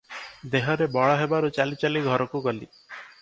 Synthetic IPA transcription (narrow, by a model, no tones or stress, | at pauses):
d̪eɦɔɾebɔɭɔɦebaɾut͡ʃalit͡ʃaliɡʱɔɾɔkuɡɔlḭ